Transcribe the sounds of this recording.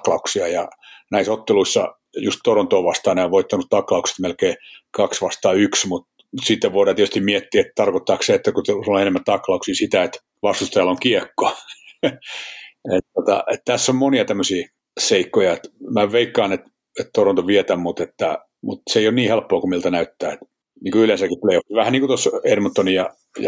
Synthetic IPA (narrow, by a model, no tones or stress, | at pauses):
klɑuksiɑjɑ̰næisot̪ːeluisːɑ̰ | just̪t̪oront̪oːʋɑst̪ɑːneoʋʋoit̪ːɑnut̪t̪ɑklɑukse̥t̪melkeːkɑksʋɑst̪ɑːyksmut̪ | sit̪ːeʋʋoiɾɑːt̪iet̪y̥st̪imiet̪ːiːet̪t̪ɑrkot̪ːɑːksseet̪ːækutsulːoenemːæt̪ɑklɑuksiːsit̪æet̪ | ʋɑst̪ust̪ɑjɑloŋkiekːo | et̪tot̪ɑ̰ʔet̪t̪æsːommoniɑt̪æmːøsiː | seikːojɑet̪mæʋeikːɑːnet̪ | et̪t̪oront̪oʋiet̪æmmut̪et̪ːæ | mut̪seijonniːhelpːoːkumilt̪ɑnæyt̪ːæːet̪ | niːŋkoylensækit̪leoiʋæhænniŋkut̪osermɑt̪ːonijɑ | jɑ̰